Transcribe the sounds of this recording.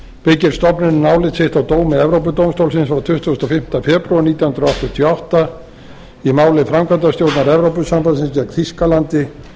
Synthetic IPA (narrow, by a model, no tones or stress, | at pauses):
pɪcɪɾ̥st̪ɔpnɪnnaːwlɪt̪sɪht̪awt̪oːwmɪɛvɾowp̬ʏt̪owmst̪owlsɪnsvaɾt̪ʰʏht̪ust̪ɔfɪm̥t̪afɛpɾɥaɾniːt̪jahʏnɾɔaɔwht̪ɔt̪ʰjɔawht̪a | imaːwlɪfɾamkʰant̪ast̪jowɾt̪naɾɛvɾowp̬ʏsampaðsɪnscɛkθiskalant̪ɪ